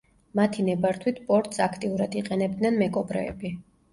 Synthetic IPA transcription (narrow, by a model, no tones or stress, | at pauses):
mat̪ʰinɛbaɾt̪ʰwit̪ʰpʼɔɾt̪ʼsakʰt̪ʼiuɾad̪iqʼɛnɛb̚d̪nɛnmɛkʼɔbɾɛ̰ːbi